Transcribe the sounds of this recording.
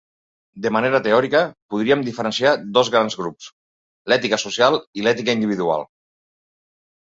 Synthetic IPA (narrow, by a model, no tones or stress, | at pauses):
d̪əmaneɾət̪eɔɾikəpuðɾiəmd̪ifəɾənsiad̪ozɣɾanzɣɾups | lɛt̪ikəsusjalˠilɛt̪ikəind̪iβ̞iðua̰lˠ